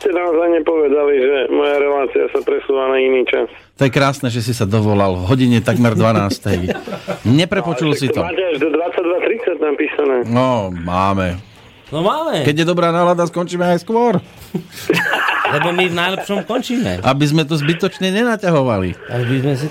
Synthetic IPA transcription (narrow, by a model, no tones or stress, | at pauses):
scɛnaɔzajɲɛpɔʋɛd̪aliʒɛmɔjaɾɛlaːt͡siasapɾɛsuːʋanainiːt͡ʃas | t̪ɔjɛkɾaːsnɛːʒɛs̬isad̪ɔʋɔlalvɦɔɟiɲɛt̪aɡmɛɾd̪ʋanaːst̪ɛjɲɛpɾɛpɔt͡ʃulsit̪ɔtɛaʒd̪ɔd̪ʋat͡sːaɟ̚d̪ʋat̪ɾit͡sacnapiːsanɛːnɔmaːmɛ | nɔmaːmɛkɛɟjɛd̪ɔbɾaːnaːɦlad̪askɔnt͡ʃiːmɛajskʋɔɾ | lɛbɔmivnajlɛpʃɔmkɔnt͡ʃiːmɛ̰ʔabizmɛt̪ɔzbit̪ɔt͡ʃɲɛɲɛnacaɦɔʋalḭa̰ʒbizmɛs̬i